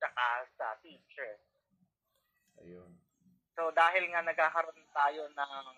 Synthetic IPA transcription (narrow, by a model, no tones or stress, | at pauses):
t͡ʃɐkasɐ̰fiːt͡ʃɛ | ɐjon | sod̪aːɦɪlŋanɐɡ̚kaːkɐɾont̪aːjo̞nɐŋ